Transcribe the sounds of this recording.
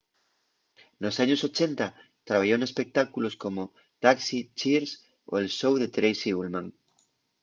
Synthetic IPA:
nosaɲosot͡ʃent̪a | t̪ɾaβ̞aʝonespek̚t̪akuloskomo | t̪aksit͡ʃiɾs | o̰elʃowðet̪ɾejsiulmãŋ

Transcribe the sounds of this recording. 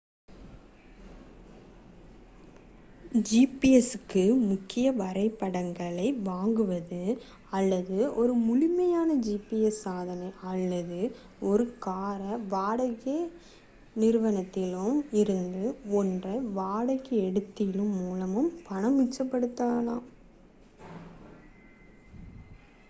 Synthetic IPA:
d͡ʒipiɛsɯkːɯmʊkːɪjɐʋɐɾɐɪpːɐɽɐŋɡɐɭɐɪʋaːŋɡɯʋɐðɯ | ɐlːɐðɯɔɾɯmʊlɪmɐjaːnɐd͡ʒiːpiɛsːaːðɐnɐɪɐlːɐðɯ | ɔɾɯkaːɾɐʋaːɽɐɣe | nɪɾɯʋɐnɐt̪ːɪlɯmɪɾɯnd̪ɯɔndrɐʋaːɽɐɣɐɛɽɯt̪ːɪjɪlɯmːuːlɐmɯmpɐɳɐmɪt͡ʃːɐpːɐɽɯt̪ːaːɐlãː

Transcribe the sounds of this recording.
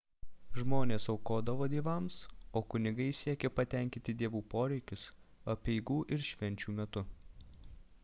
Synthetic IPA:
ʒmoːnʲeːsɒʊkoːd̪ɐʋoːd̪ʲeːʋɐmsoːkʊnʲɪɡɐɪsʲiɛkʲeːpɐt̪ʲɛˑŋʲkʲɪnt̪ʲɪd̪ʲiɛʋuːpoːɾʲɛɪkʲʊsɐpʲɛɪɡuːʔɪɾʃʲʋʲɛnʲt͡ʃʲuːmʲɛt̪ʊ

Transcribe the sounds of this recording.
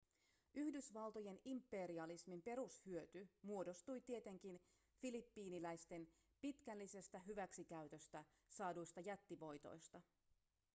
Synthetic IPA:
ʔyhdysʋɑlt̪o̞je̞nimpːˑe̞ɾiɑlismimpe̞ɾushyøt̪ymuo̞do̞st̪ujt̪ie̞t̪e̞ŋk̟in | filipːiːnilæjst̪e̞n | pit̪k̟ælːise̞st̪æɦyʋæksikæyt̪ø̞st̪æ | sɑːdujst̪ɑjæt̪ːiʋo̞jt̪o̞̰jst̪ɑ

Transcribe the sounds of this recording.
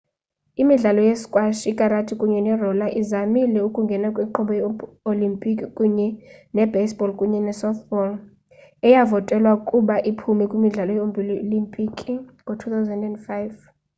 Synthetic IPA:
imiɮalɔjeskʼwaʃikʼaɾatʰikʼuɲɛnɛrɔlaʔizamilɛukʼuŋɡʱɛnakʼwiǃɔɓɔj | olimpʼikʼikʼuɲɛnɛbesbɔlkʼuɲɛnɛsɔθbɔl | ɛjavɔtʼɛlwakʼuɓaʔipʰumɛkʼwimiɮalɔjombʱilolimpʼikʼiŋɡʱɔtʰut̪ʰawzɛndɛndfajv

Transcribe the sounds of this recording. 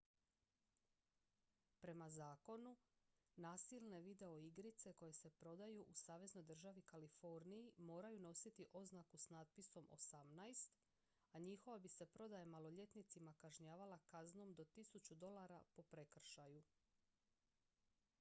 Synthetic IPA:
pɾe̞mazaːko̞nu | naːsilˠne̞ʋid̪e̞o̞iɡɾit̪se̞ko̞je̞se̞pɾo̞d̪ajuʔusaːʋe̞zno̞jd̪r̩ʒaʋikalifo̞ɾnijimo̞ːɾajuno̞sit̪iʔo̞znakusnat̪̚piso̞mo̞̰samnajst̪ | aɲixo̞ʋabise̞pɾo̞d̪ajemalˠo̞ʎe̞t̪nit̪simakaʒɲaːʋalakazno̞md̪o̞t̪isut͡ɕud̪o̞lˠaɾapo̞pɾe̞kr̩ʃaju

